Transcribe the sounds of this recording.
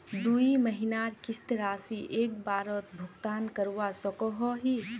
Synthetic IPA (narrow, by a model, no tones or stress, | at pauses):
d̪uːiməɦɪnaːɾkɪst̪ɾaːsiʔeːk̚baːɾɔt̪bʱʊɡt̪aːnkəɾuwasɔkɔɦɔɦiː